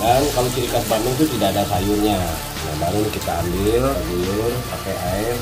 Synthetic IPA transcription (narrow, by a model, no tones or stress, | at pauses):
dankalot͡ʃiɾikasbanɛŋt̪̬ut̪idaːdasajuɲa | nabaɾunkit̪aːmbɪlbirpakaaɪr